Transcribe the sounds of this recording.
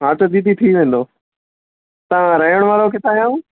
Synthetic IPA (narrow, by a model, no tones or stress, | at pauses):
ɦaːʈd̪id̪it̪ʰiʋẽːn̆d̪oː | t̪aʋãɾɐɦijəɽ̃ʊʋaːɾokɪt̪ʰaːɦjã